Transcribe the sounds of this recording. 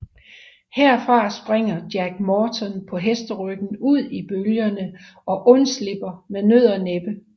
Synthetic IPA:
heɐ̰fʁɑ̈sb̥ʁeŋ̰ɐd̥jæɡ̥mɒːt͡sʰɒ̽npʰɒ̽ɦesd̥əʁœɡ̥n̩uð̰ˠib̥øljɐnə | ɒ̽ʔɔ̽nsle̝b̥ɐmenøð̰ˠɐneb̥ə

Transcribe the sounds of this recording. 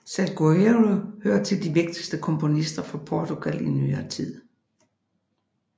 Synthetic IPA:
sælɡ̥oeʁohøɐ̰t͡sʰe̝ld̥iʋe̝ɡ̥̚d̥isd̥əkʰɒ̽mpʰo̝nisd̥ɐfɒ̽pʰɒt͡sʰuɡ̥æl̰iny̰ːɐːt͡sʰið̰ˠ

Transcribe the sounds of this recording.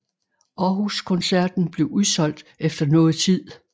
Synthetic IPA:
ʔɒɦuskʰɔ̽nsæɐd̥n̩b̥le̝ʊʔuðˠsɒ̽l̰d̥efd̥ɐnɔ̽ːð̩ˠt͡sʰið̰ˠ

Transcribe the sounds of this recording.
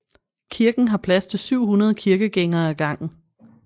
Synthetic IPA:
kʰiɐɡ̥n̩ɦɑ̈pʰlæst͡sʰe̝lsyʊ̰hunɐð̞ˠəkʰiɐɡ̥əɡ̥eŋɐːæɡ̥ɑ̈ŋ̰̩

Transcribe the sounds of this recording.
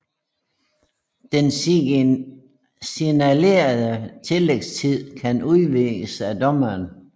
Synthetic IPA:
d̥en | sinæle̝̰ːɐðˠət͡sʰe̝leɡ̥st͡sʰið̰ˠkʰænuðˠʋeɡ̥əsæd̥ɒ̽mɐːn

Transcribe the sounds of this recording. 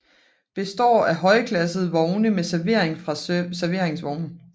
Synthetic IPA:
b̥e̝sd̥ɒ̰ːæɦɒ̽ɪəkʰlæsð̩ˠʋɒʊnəmesæɐʋe̝ɐ̰e̝ŋfʁɑ̈sæɐʋe̝ɐ̰eŋsʋɒʊnn̩

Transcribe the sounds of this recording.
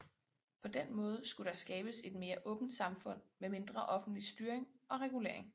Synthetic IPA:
pʰɒ̽d̥enmɔ̽ːð̞ˠsɡ̥uɾ̥ɑ̈sɡ̥ɛːb̥əse̝d̥me̝ːɐʔɔ̽ːb̥n̩d̥sɑ̈mfɔ̽n̰meme̝nd̥ʁɐʔɒ̽fn̩d̥lisd̥yːɐeŋɒ̽ʁɛɡ̥ule̝ɐ̰e̝ŋ

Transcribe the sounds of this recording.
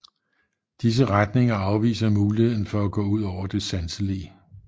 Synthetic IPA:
d̥is̬əʁad̥ne̝ŋɐɑ̈ʊʋḭːsɐmuːlihe̝ð̞ˠn̩fɒ̽æɡ̥ɔ̰̽ːuð̞̰ˠɒʊ̰ɐd̥e̝sænsəliə

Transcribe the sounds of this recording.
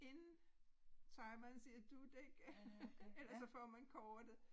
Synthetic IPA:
e̝n | t͡sʰɑ̈ɪmɐnsiːɐd̥ud̥eɡ̥ | elɐsɒ̽fɒːmænkʰɒːd̥ðə

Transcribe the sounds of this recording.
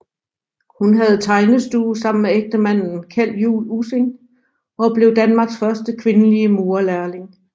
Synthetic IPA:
hunɦæð̞̩ˠt͡sʰɑ̈ɪnəsd̥uːsɑ̈m̰n̩meeɡ̥̚d̥əmæn̰n̩kʰæl̰jṵːluse̝ŋ | ɒ̽b̥le̝ʊd̥ænmɑ̈ːɡ̥sfɶɐsd̥əkʰʋe̝nəliəmo̝ːɐlæɐle̝ŋ

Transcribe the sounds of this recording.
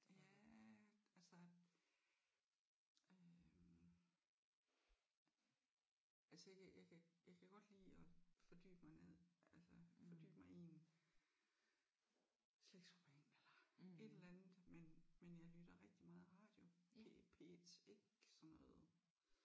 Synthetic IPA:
jæ | ælsɐ | ø | ælsəjaɪkʰæjɑ̈ɪkʰæjɑ̈ɪkʰæɡ̥ɒ̽d̥lḭːɒ̽fɒ̽d̥y̰ːb̥mɑ̈ɪneð̰ˠælsəfɒ̽d̥y̰ːb̥mɑ̈ɪien | sleɡ̥soʁɛnelɐe̝d̥elænð̩ˠmenmenjɑ̈ɪlyɾ̥ɐʁɛɡ̥̚d̥imɑ̈ːð̩ˠʁɑ̈ːd̥jo̝epʰe̝̰d̥e̝ɡ̥sɒnːɔ̽ːð̩ˠ

